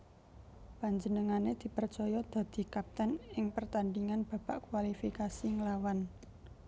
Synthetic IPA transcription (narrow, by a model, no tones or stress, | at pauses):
paɲd͡ʒənəŋaned̪̥i̤pərt͡ʃɔjɔd̪̥a̤d̪̥i̤kap̚t̪ɛnɪŋpərt̪anɖiŋanb̥a̤baʔkwalifikasiŋlawan